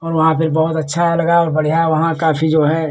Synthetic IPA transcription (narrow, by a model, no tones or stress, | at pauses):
ɔːɾʋɐɦãpʰɪɾbɐɦʊt̪ɐtːʃʰalɐɡaɔːɾbɐɽ̤ijaʋɐɦãkaːpʰid͡ʒoːɦɛ